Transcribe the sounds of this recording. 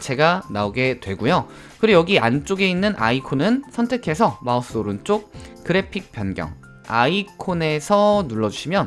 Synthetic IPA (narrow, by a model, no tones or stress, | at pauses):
t͡ɕe̞ɡanaoɡe̞twe̞ɡujo | kɯɾijʌɡiant͡ɕ͈oɡe̞inːɯnʔa̰ikʰonɯnsʰʌntʰe̞kʰe̞sʰʌmaos͈ɯoɾɯnt͡ɕ͈ok̚kɯɾe̞pʰik̚p͈jʌnɡjʌ̰ŋ | a̰ikʰone̞sʰʌnuɭːʌd͡ʑuɕʰimjʌn